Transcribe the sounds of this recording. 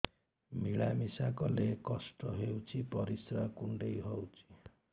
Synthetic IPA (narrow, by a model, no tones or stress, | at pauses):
miɭamisakolekʌsʈʌɦewt͡sʰipʌɾisrakuɳɖejɦowt͡sʰi̥